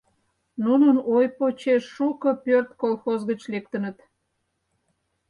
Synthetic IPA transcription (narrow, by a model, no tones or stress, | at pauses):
nunənojpot͡ɕeʃːukəpørt̪kolˠxozɣət͡ɕlek̚t̪ənət̪